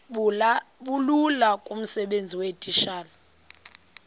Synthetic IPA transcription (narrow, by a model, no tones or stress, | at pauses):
ɓululakʼum̩sɛɓend͡zʱiwetʼiʃaːla